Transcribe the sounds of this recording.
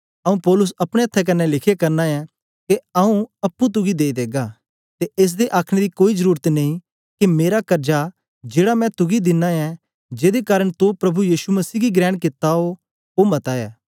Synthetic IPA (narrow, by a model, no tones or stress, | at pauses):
ɐũpɔːlʊs̬ɐpɽ̃eɐt̪ʰːɛk̬ɐnːɛlɪkʰekɐɾnaɛ̃ | keɐũɐpːũt̪̬ʊɡid̪eːid̪eːɡa | t̪eʔeːs̬d̪eʔaːkʰɽ̃ẽd̪ikoːizəɾuːɾət̪nɐĩ | kimeːɾakɐɾd͡ʒa | d͡ʒeːɽamɛ̃t̪ʊɡid̪ɪnːaɛ̃ | d͡ʒeːd̪ekaːɾəɽ̃t̪opɾɐbʱujiːsumɐsiːɡiɡɾɛːɽ̃kɪt̪ːaɦo | omɐt̪aːɛː